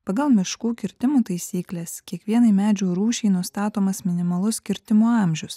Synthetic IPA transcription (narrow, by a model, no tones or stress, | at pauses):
pɐɡɐlˠmʲɪʃkuːkʲɪɾʲt̪ʲɪmuːt̪ɐɪsʲiːklʲeːskʲiɛkʋʲiɛnɐɪmʲæːd͡ʒʲuːɾuːʃʲɛɪnʊst̪ɑːt̪oːmɐsmʲɪnʲɪmɐlˠʊskʲɪɾʲt̪ʲɪmuːɑˑmʲʒʲʊs